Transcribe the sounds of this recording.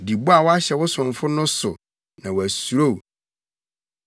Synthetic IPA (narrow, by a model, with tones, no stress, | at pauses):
di˨bu˦a˨wɔ˦a˦ɕɛ˨wʊ˦sʊ̃˨ɱ˨fʊ˦nʊ̃˦sʊ˨ | nã˨wæ˨su˨ɾo˦˨